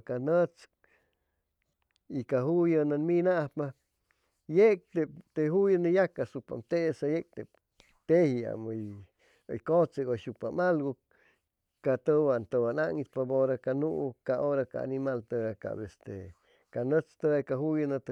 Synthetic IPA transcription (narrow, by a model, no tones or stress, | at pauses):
kanət͡s | ikaɦujənanminapa | jek̚t̪ep̚t̪eɦujənəjakasupa̰mt̪esajek̚t̪ep | t̪ehia̰məj | o̰jkot͡seɡoʃupamalɡu | kat̪əwant̪əwanaŋit̪̚paboɾakanuʔkaʔoɾaka̰a̰nimalt̪əaka̰best̪e | kanət͡st̪əakaɦujənat̪